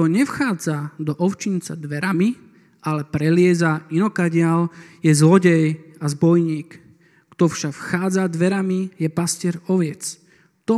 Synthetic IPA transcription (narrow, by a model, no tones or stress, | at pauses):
ɔɲɛfxaːd͡zad̪ɔʔɔʊt͡ʃint͡sa̰d̪ʋɛɾami | ʔalɛpɾɛlɪɛzainɔkaɟɪaljɛzlɔɟɛjazbɔjɲiːkː | t̪ɔfʃakfxaːd͡zad̪ʋɛɾamijɛpascɪɛɾɔʋjɛt͡s | t̪ɔ